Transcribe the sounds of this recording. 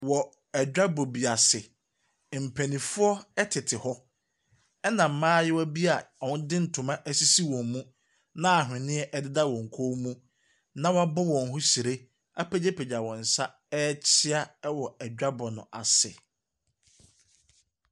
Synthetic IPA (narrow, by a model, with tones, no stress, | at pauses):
wɔ˨ | ɛ˨d͡ʑᶣa˦bo˨bi˨a˨sɪ˨ | m̩˨pʰæ˨nĩ˨fʊ˦ɔ˦ɛ˦tʰɪ˨tʰɪ˨hɔ˦ | ɛ˦nã˨m̩˨˦mãː˦jɪ˦wæ˦bi˦a˨ɔ˨wʊ̃˦dɪ˦n̩˨tʰʊ̃˨mã˦ʔæ˦si˦si˦wɔ̃˨mmũ˦ | nã˦a˨ɦᶣɪ̃˨nɪ̃˦ɛ˦ʔɛ˦dɪ˦da˦wɔ̃˨ŋ̩˨kʰo˦mũ˦ | nã˦wa˦bʊ˦wɔ̃˨n˨ɦʊ̃˦si˨ɾe˦ | a˦pʰɛ˦d͡ʑe˦pʰe˨d͡ʑa˨wɔ̃˨n̩˨sa˦ | ɛ˦t͡ɕʰɪ˦a˦ɛ˦wɔ˨ɛ˨d͡ʑᶣa˦bɔ˨nʊ̰̃˨ʔa˨sɪ̰˨